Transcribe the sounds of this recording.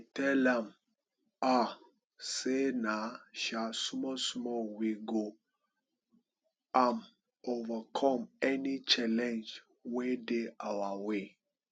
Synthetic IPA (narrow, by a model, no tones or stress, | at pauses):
tɛlãm | a | senaʃasmɔsmɔwiɡo | ãn | ovakʰɔ̃mɛnit͡ʃalɛ̃nd͡ʒ | wedeawawe